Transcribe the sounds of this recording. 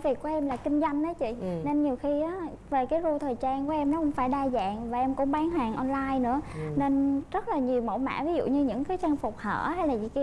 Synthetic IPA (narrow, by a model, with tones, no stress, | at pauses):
vi˨˩ku˧˦ʔɛ˧mlaː˨˩kï˧ŋ̟zwa˧jŋ̟ɗaː˨˦t͡ɕḭ˧˨ne˧nɲi˨˩əwxi˧ʔaː˨˦ | ve˨˩kaː˨˦jɣu˧t̪ʰəː˨˩jt͡ɕaː˧nŋku˧˩˦ʔɛ˧mnɔ˨˦kʊ̰˧˥ŋ͡mfaː˧˩jɗaː˧za̰ː˧˨ŋvaː˨˩ʔɛ˧mkʊ̰˧˥ŋ͡mɓaː˨˦nɦaː˨˩ŋʔɔ˧nlaː˧jnɨ̰˧˥əne˧nzə˦˥t̚laː˨˩ɲi˨˩əwmə̰˧˩wma̰ː˧˥vi˨˦zṵ˧˨ɲɨ˧ɲɨ̰˧˥ŋkaː˨˦jt͡ɕa˧ŋfʊ˨˩k͡p̚hə̰ː˧˩ha˧jlaː˨˩zḭ˧˨k